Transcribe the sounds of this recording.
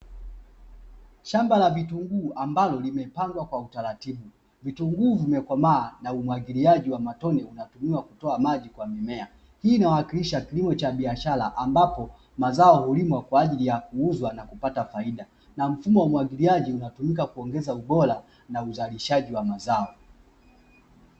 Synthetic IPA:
ʃambalavituŋɡuːambalɔlimɛpaŋɡwakwautaɾatiɓu | vituŋɡuːvimɛkwamaːnaumwaɡiliaʄiwamatɔnɛunatumiwakutɔamaʄikwamimɛa | hiːnawaakiliʃakilimɔt͡ʃaɓiaʃalaʔambapɔ | mazaɔhulimwakwaːʄilijakuuzwanakupatafaiɗa | nam̩fumɔwamwaɡiliaʄiunatumikakuɔŋɡɛzauɓɔla | nauzaliʃaʄiwamazaɔ

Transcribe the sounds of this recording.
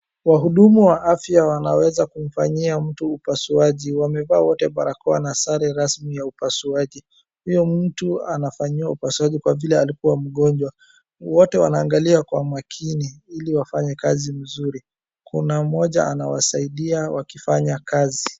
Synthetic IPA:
waɦuɗumuwaʔafjawanawɛzakum̩faɲiam̩tuːpasuaʄiwamɛvaːwɔtɛɓaɾakɔanasaɾɛɾasmijaupasuaʄi | hujɔm̩tuanafaɲiwaupasuaʄikwavilɛalikuwam̩ɠɔnɲd͡ʒwa | wɔtɛwa̰naːŋɡaliakwamakʰiniiliwafaɲɛkazim̩zuɾi | kʰunam̩ɔʄa̰anawa̰saiɗiawakifaɲakazi

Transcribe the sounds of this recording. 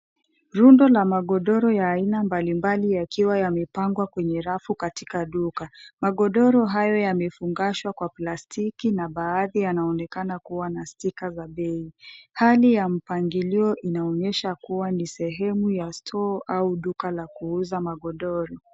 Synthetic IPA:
ɾundɔlamaɠɔɗɔɾɔjaːinambalimbalijakiwajamɛpaŋɡwakwɛɲɛɾafukati̥kaɗukamaɠɔɗɔɾɔɦajɔjamɛfuŋɡaʃwakwaplastʰikinaɓaːðijanaɔnɛkanakuwanastikazaɓɛihalijam̩paŋɡiliɔʔinaɔɲɛʃakuwanisɛɦɛmujastʰɔʔauɗukalakuuzamaɠɔɗɔɾɔ

